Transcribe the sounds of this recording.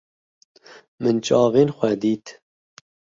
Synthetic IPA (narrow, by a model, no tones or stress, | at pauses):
mɨnt͡ʃɑːveːnxʷɛd̪iːt̪